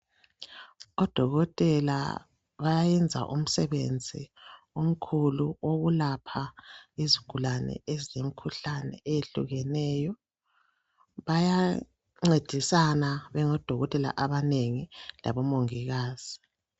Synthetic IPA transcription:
ɔd̥ʱɔɣɔtʼɛla̰ | βajajɛnd͡zʱa̰ʔum̩sɛβḛnd͡zʱḭ | om̩kʰuluoɣulapʰaiziɡ̥ʱulanɛ̰eziem̩kʰuɬanɛ̰ejeɬṵɣɛnɛːjɔ | βaja | ŋ͡ǀed̥ʱisanaβɛŋɔd̥ʱɔɣɔtʼɛla̰ʔaβaneŋila̰βɔmoŋiɣaːz̥i

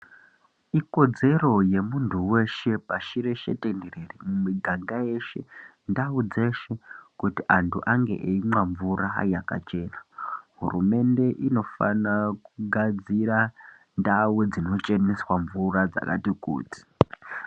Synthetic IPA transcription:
iko̞d͡ze̞ro̞je̞muntʰuwe̞ʃe̞paʃiɾe̞ʃḛtendererimumiɡʱaŋɡajeʃe̞ndaud͡ze̞ʃe̞kutiʔantʰuʔaŋɡe̞̰ʔeimwaɱvuɾaɦa̰jaka̰t͡ʃe̞ːnaɦṵrume̞nde̞ʔino̞fa̰nakuɡʱad͡ziɾa | ndawed͡zino̞t͡ʃe̞niswaɱvurad͡za̰ka̰tikṵːti̥

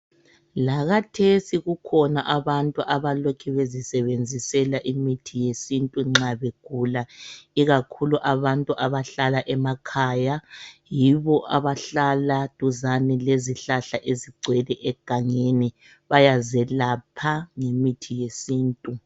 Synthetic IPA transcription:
laɣatʰesiɣukʰɔnaʔaβantʼuʔaβalokʰɛβezisɛβend͡zʱisɛlaʔimitʰijesintʼuŋ͡ǁaβeɡ̥ʱuːlaiɣakʰuluʔaβantʼuʔaβaɬalaʔɛmakʰaːjajiβɔʔaβaɬalad̥ʱuzanɛleziɬaɬaʔeziɡ͡ǀʱwɛlɛʔɛɡ̥ʱaŋeni | βajazɛlapʰaŋemitʰijesiːntʼu

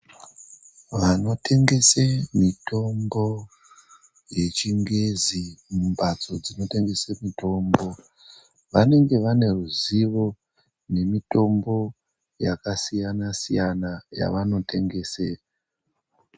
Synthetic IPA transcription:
ʋano̞te̞ŋɡe̞semito̞mbo̞ | je̞t͡ʃiŋɡezimumbad͡zo̞d͡zino̞te̞ŋɡe̞semito̞mbo̞ | ʋane̞ŋɡe̞ʋane̞ruziʋo̞ | ne̞mito̞mbo̞ | jakasijanasijanaja̰ʋano̞te̞ŋɡe̞ːse

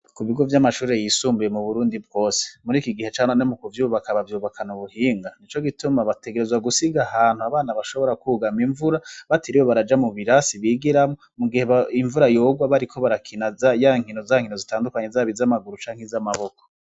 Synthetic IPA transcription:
kuβiɡo̞vjamaʃuːɾe̞jiːsuːmbije̞muβuɾuːndib̚ɡo̞ːse̥muɾiːkiɡihe̞t͡ʃaːnanomukuvjuːβakaβavjuːβakʰanuβuhiːŋɡanit͡ʃo̞ɡitumaβate̞ɡeɾe̞zwaɡusiɡahaːn̥huaβaːnaβaʃo̞βo̞ɾakuɡamiɱvuɾaβatʰiɾiwoβaɾad͡ʒamuβiɾasiβiːɡiɾamomuɡihe̞βaiɱvuɾajoːɡwaβaɾikʰo̞βaɾakʰinazajaŋhinozaŋino̞zitaːndukaɲezaβizamaɡuɾut͡ʃaːŋhezamaβo̞ko

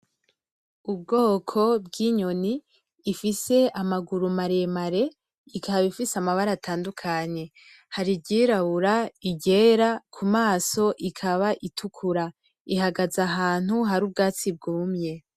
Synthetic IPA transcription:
ubɡo̞ːkʰo̞b̚ɡiːɲoniː | fise̞amaɡuɾumaɾe̞maɾe̞ | ikaaβifisamaβaɾatʰaːndukʰaɲe̞ | haɾiɟiːɾaβuɾaiɟe̞ːɾakʰumaːso̞ʔikʰaβaʔitʰukʰuɾa | iɦaɡazaɦaːn̥huɦaɾuːb̚ɡaːt͡sib̚ɡuːmɲe̞

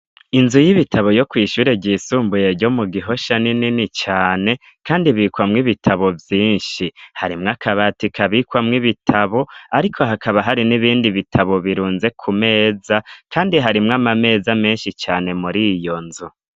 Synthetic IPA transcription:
inzujiβitʰaβo̞jo̞kwiːʃuːɾebɟiːsuːmbuje̞ɾɟo̞muɡiɦo̞ʃanininit͡ʃaːne̞ | kaːndiβiːkwamŋiβitʰaβo̞vjiːnʃihaɾimŋakʰaβatikʰaβiːkwamŋiβitʰaβo̞aɾikʰo̞ɦakʰaβaɦaɾiniβiːndiβitʰaβo̞βiɾuːnze̞kʰume̞ːzakʰaːndiɦaɾimŋamame̞ːzame̞ːnʃit͡ʃaːne̞muɾijo̞nzu

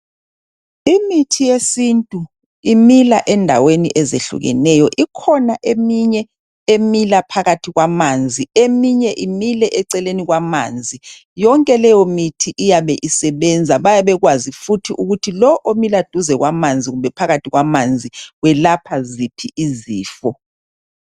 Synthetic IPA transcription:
imitʰijesintʼu | imilaʔɛndʱa̰wenḭʔɛzḛɬṵɣɛ̰nɛjɔʔikʰɔnaʔemiɲɛ | emilapʰaɣatʰiɣwamand͡zʱiemiɲɛʔimilɛʔɛǀɛleniɣwama̰ːnd͡zʱi | jɔŋkʼɛlɛjomitʰiʔijaβɛʔisɛβɛnd͡zʱaβajaβɛɣwazifutʰiʔuɣutʰilɔʔomilad̥ʱuzɛɣwamand͡zʱiɣumbʱɛpʰaɣatʰiɣwamand͡zʱiɣwɛlapʰazipʰiiziːfɔ

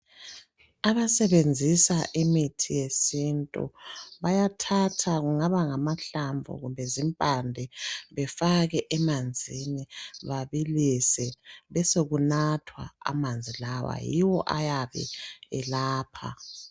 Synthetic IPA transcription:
aβasɛβend͡zʱisaʔimitʰijesintʼṵβajatʰatʰaɣuŋaβaŋamaɬaɱvʱɔ̰ɣumbʱɛzimpʼandʱɛβɛfaɣɛʔɛmand͡zʱiniβaβilisɛβɛsoɣunatʰwa̰ːmand͡zʱilawa̰jiwɔʔajaβɛ̰ɛlaːpʰa̰

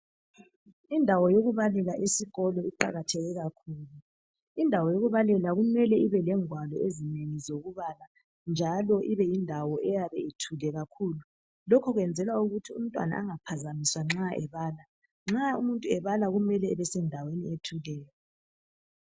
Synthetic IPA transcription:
indʱawɔjoɣuβalɛlaʔisiɣɔlɔiǃa̰ɣatʰɛɣɛɣakʰuːlu | indʱawɔjoɣuβalɛlaɣumɛlɛiβɛlɛŋwalɔezineŋizoɣuβala | nd͡ʒʱalɔʔiβɛjindʱawɔʔɛjaβɛetʰulɛɣakʰuːlu | lɔkʰɔɣwɛnd͡zʱɛlwauɣutʰium̩tʼwa̰na̰ʔaŋapʰazamiswaŋ͡ǁaʔɛ̰βaːla | ŋ͡ǁaumuntʼuɛβalaɣumɛlɛɛβɛsɛndʱawenietʰulɛːjɔ

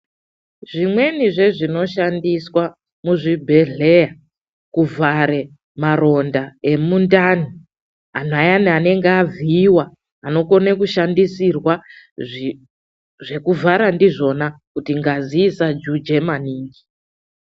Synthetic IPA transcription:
ʐimwe̞niʐe̞ʐino̞ʃandiswa | muʐibʱe̞ɮe̞ja | kuvʱaɾe̞ | maɾo̞ndae̞mundani | an̤ajanane̞ŋɡeaviːwaː | no̞ko̞nekuʃandisirwa | ʐe̞kuvʱaɾandiʐo̞nakutiŋɡaziːsad͡ʒud͡ʒe̞maniːŋɡi

